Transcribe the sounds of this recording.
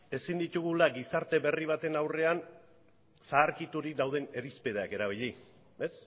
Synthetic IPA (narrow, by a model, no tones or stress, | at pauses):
e̞sind̪it̪uɣulaɡisaɾt̪e̞βe̞riβ̞at̪e̞nawre̞an | saːɾkit̪uɾik̚d̪awð̞e̞ne̞ɾispeð̞eake̞ɾaβ̞iʎi | e̞s